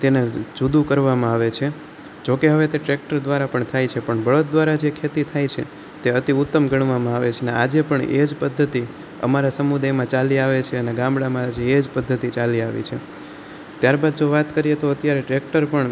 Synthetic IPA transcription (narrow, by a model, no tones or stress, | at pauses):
t̪ened͡ʒud̪ũkəɾʋamãaʋet͡ʃʰe | d͡ʒokeɦəʋet̪eʈɾek̚ʈəɾd̪ʋaɾapəɳt̪ʰajt͡ʃʰepəɳbəɭot̪̚d̪ʋaɾad͡ʒekʰet̪it̪ʰajt͡ʃʰḛ | t̪eət̪iut̪ːəmɡəɳʋamãaʋet͡ʃʰenḛad͡ʒepəɳḛd͡ʒpəd̪ʱːət̪i | ə̰maɾasəmud̪ajmãt͡ʃaliaʋet͡ʃʰeəneɡãmbɽamãd͡ʒeːd͡ʒpəd̪ʱːət̪it͡ʃaliaʋḭt͡ʃʰe | t̪jaɾbad̪̚d͡ʒoʋat̪kəɾijet̪oət̪jaɾeʈɾek̚ʈəɾpəɳ